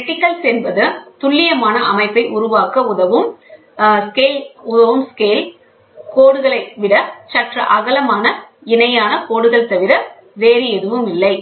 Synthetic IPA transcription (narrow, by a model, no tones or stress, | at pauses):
ɛʈːɪkːɐlsɛnbɐðɯt̪ʊɭːɪjɐmaːnɐʔɐmɐɪpːɐɪʔʊɾʊʋaːkɐʊðɐʋɯm | skeːlʊðɐʋɯmskeːl | koːɽɯɣɐɭɐɪʋɪɽɐt͡ʃɐʈrɐ̰ʔɐɣɐlɐmaːnɐ | ɪnɐjaːnɐkoːɽɯɣɐɭt̪ɐʋɪɾɐ | ʋeːɾiɛðɯʋɯmɪlːɐɪ